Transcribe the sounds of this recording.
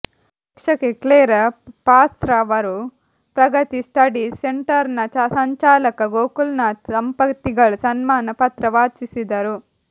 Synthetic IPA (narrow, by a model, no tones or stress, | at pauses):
pɐkʂɐkekleːɾɐpaːst̪ɾɐʋɐɾu | pɾɐɡɐt̪isʈɐɖiseɳʈɐɾnɐt͡ʃɐsɐɲt͡ʃaːlɐkɐɡoːkulnɐsɐmpɐt̪ːiɡɐɭusɐnmaːnɐpɐt̪ɾɐʋaːt͡ʃisid̪ɐɾu